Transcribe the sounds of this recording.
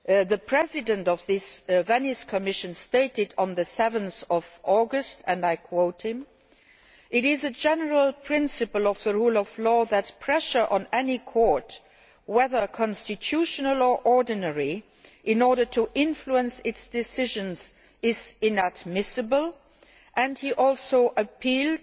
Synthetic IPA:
ðəpʰɹ̥ɛzɪdə̃ntʌvðɪsvæniskʰəmɪʃə̃nsteɪtɪd̃n̩ðəsɛvə̃nθɔvʔɔɡəstə̃ndaɪkʰw̥oʊthɪ̃m | ʔɪɾɪzəd͡ʒɛnəɹəlˠpʰɹ̥ɪ̃nsɨpəlˠɔvðəɹuːlɔv̥lɔːðɨt̚pʰɹɛʃə˞ʔə̃nɛnikʰɔɹt | wɛðə˞kʰɑ̃nstɨtʰuʃənəlˠəʔɔɹdnɛɹi | ʔɪ̃nɔɹɾə˞tʰuʔɪ̃nfluə̃nsɪtsd̥ɪsɪʒə̃nz | ɪzɪ̃nædmɪsɨbəlˠ | ʔɨ̃ndhiʔɔlˠsoʊʔəpʰilˠd

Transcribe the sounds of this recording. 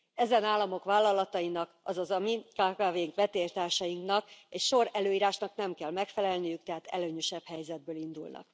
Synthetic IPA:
ɛzɛnaːlːɒmo̞kʋaːlːɒlɒt̪ɒjinɒkɒzɒzɒmikaːkaːveːŋkʋɛt̪eːrt̪aːrʃɒjiŋknɒkecʃo̞ɾɛløːiːɾaːʃnɒknɛmkɛlmɛkfɛlɛlnijyk̚t̪ɛɦaːt̪ɛ̰løːɲøʃɛbhɛjzɛd̪̚bøːlind̪ulnɒ̰k

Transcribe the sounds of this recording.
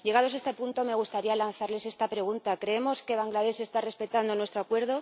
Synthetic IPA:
je̞ɣ̞aðoaest̪apunt̪o̞me̞ɣ̞ust̪aɾialanθaɾle̞se̞st̪apɾe̞ɣunt̪akɾe̞emo̞ske̞β̞aŋɡlaðe̞se̞st̪are̞spe̞t̪and̪o̞nwet̪ɾoakwe̞ɾð̞o

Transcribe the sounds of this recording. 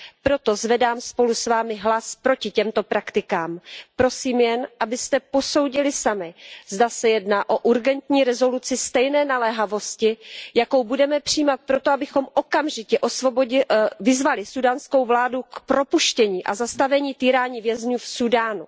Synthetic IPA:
pɾo̞t̪o̞zvɛdaːmspo̞lusvaːmɪɦlaspɾo̞cɪcɛmt̪o̞pɾakt̪ɪkaːmpɾo̞siːmjɛnʔabɪst̪ɛpo̞so̞wɟɪlɪsamɪzdasɛjɛdnaːʔo̞ʔuɾɡɛnt̪ɲiːɾɛzo̞lut͡sɪst̪ɛjnɛːnalɛɦavo̞scɪjako̞wbudɛmɛpr̥ijːmat̪̚pɾo̞t̪o̞abɪxo̞mʔo̞kamʒɪcɛʔo̞svo̞boɪvɪzvalɪsudaːnsko̞wvlaːdukpɾo̞puʃcɛɲiːʔa̰zast̪avɛɲiːt̪iːɾaːɲiːvjɛzɲuːfsudaːnu

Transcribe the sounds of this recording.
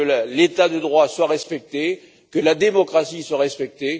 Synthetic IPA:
əlet̪ad̪əd̪ʁwaswaʁɛspɛk̚t̪e | kəlad̪emɔkχasiswaʁɛspɛk̚t̪e

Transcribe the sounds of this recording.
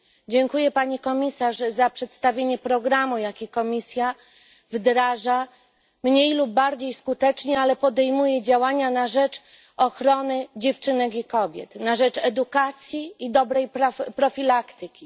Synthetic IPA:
d͡ʑɛŋkujɛpaɲikɔmʲisaʐzapʂɛt̪st̪avʲjeɲɛpɾɔɡɾamujakʲikɔmʲisʲja | vd̪ɾaʐa | mɲejlubːaɾd͡ʑejskut̪ɛt͡ʂɲɛalɛpɔd̪ɛjmujɛd͡ʑawaɲanaʐɛt͡ʂ | ɔxɾɔnɘd͡ʑɛft͡ʂɘnɛkʲikɔbʲjɛ̰t̪naʐɛt͡ʂɛd̪ukat̪sʲjiid̪ɔbɾɛjpɾapɾɔfʲilakt̪ɘkʲi

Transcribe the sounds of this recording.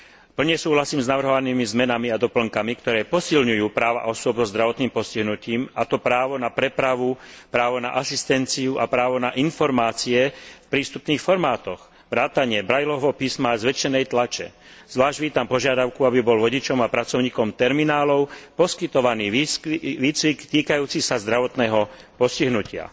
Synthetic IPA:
pl̩ɲɛsuːɦlasiːmznaʋr̩ɦɔʋaniːmizmɛnamiad̪ɔpl̩ŋkamikt̪ɔɾɛːpɔsilɲujuːpɾaːʋa̰ʔɔsʊɔbzɔzd̪ɾaʋɔt̪niːmpɔsciɦnuciːmat̪ɔpɾaːʋɔnapɾɛpɾaʋupɾaːʋɔna̰ʔasist̪ɛnt͡siuʔapɾaːʋɔnaʔinfɔɾmaːt͡siɛfpɾiːst̪upniːxfɔɾmaːt̪ɔɣ | ʋɾaːt̪aɲɪɛbɾajlɔʋɔpiːsmazʋɛt͡ʃɛnɛjt̪lat͡ʃɛ̰ | z̥ʋlaːʒɟʋiːt̪ampɔʒɪad̪aʊkuabibɔlʋɔɟit͡ʃɔmapɾat͡sɔʊɲiːkɔmt̪ɛɾminaːlɔʊpɔskit̪ɔʋaniːʋiːt͡sʋikt̪iːkajuːt͡sisazd̪ɾaʋɔt̪nɛːɦɔpɔsciɦnucɪa̰

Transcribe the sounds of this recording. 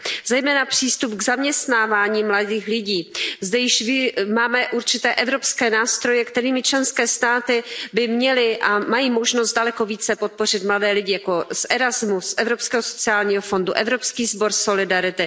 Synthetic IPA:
zɛjmɛːnapr̝̥iːst̪upɡzamɲɛst̪naːvaːɲiːmladiːxlɪɟiːzdɛjɪʃvɪmaːmɛʔuɾt͡ʃɪt̪ɛːʔɛvɾo̞pskɛːnaːst̪ɾo̞jɛkt̪ɛɾiːmɪt͡ʃlɛnskɛːst̪aːt̪ɪbɪmɲɛlɪʔamajiːmoʒnost̪̚dalɛko̞viːt͡sɛpot̪̚po̞r̝ɪt̪mladɛːlɪɟɪjako̞sʔɛɾazmusʔɛvɾopskɛːɦoso̞t͡sɪaːlɲiːɦofo̞nduʔɛvɾo̞pskiːzbo̞ɾso̞lɪdaɾɪt̪ɪ

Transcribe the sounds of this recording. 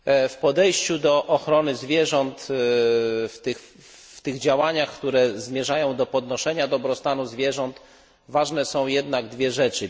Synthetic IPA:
fpɔd̪ɛjɕt͡ɕud̪ɔʔɔxɾɔnɘzvʲjɛʐɔnt̪ | ft̪ɘx | ft̪ɘɣd͡ʑawaɲaxkt̪uɾɛzmʲjɛʐajɔ̃w̃d̪ɔpɔd̪nɔʂɛɲad̪ɔbɾɔst̪anuzvʲjɛʐɔnt̪ | vaʐnɛsɔ̃w̃jɛd̪naɡd̪vʲjɛʐɛt͡ʂɘ

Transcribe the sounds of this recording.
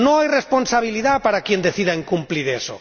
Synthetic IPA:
nõŋajresponsaβ̞iliðapaɾakjend̪eθiðaiŋkumpliɾeso̰

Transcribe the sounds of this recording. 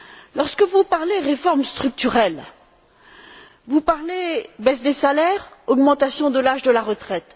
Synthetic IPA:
lɔʁskəvupaʁleʁefɔʁmst̪χyk̚t̪yʁɛl | vupaʁlebɛsd̪esalɛʁɔɡmɑ̃t̪asjɔ̃d̪əlaʒd̪əlaʁət̪χɛt̪

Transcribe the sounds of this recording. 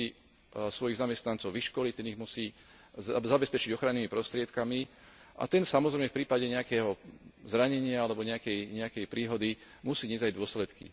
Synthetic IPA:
i | sʋɔjiɣzamɛst̪nant͡sɔʊʋiʃkɔlict̪ɛniɣmusiː | zabɛspɛt͡ʃiɟɔxɾanːiːmipɾɔst̪ɾɪɛt̪kami | ʔa̰t̪ɛnsamɔzɾɛjmɛfpɾiːpaɟɛɲɛakɛːɦɔzɾaɲɛɲɪaalɛbɔɲɛakɛjɲɛakɛjpɾiːɦɔd̪i | musiːɲɛzajd̪ʊɔslɛt̪kḭ

